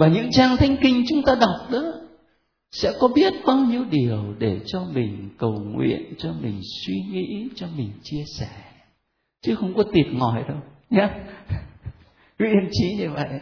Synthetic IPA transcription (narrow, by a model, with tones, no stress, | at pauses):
vaː˨˩ɲɨ̰˧˥ŋt͡ɕaː˧ŋt̪ʰa˨˦jŋ̟kï˧ŋ̟t͡ɕʊ˨˦ŋ͡mt̪aː˧ɗa˨˩wk͡p̚ɗə˨˦ | sɛ̰˧˥kɔ˨˦ɓi˦˥ət̚ɓaː˧wɲi˧əwɗi˨˩əwɗe˧˩t͡ɕɔ˧mï˨˩ŋ̟kə˨˩wŋwḭ˧˨ənt͡ɕɔ˧mï˨˩ŋ̟swi˧ŋḭ˧˥t͡ɕɔ˧mï˨˩ŋ̟t͡ɕi˧əsɛ˧˩ | t͡ɕɨ˨˦xə˧wŋ͡mkɔ˨˦t̪wi˨˩ət̚ŋɔ˨˩jɗə˧wɲa˨˦ | kḭ˧˥i˧mt͡ɕi˨˦ɲɨ˧və̰˧˨jʔ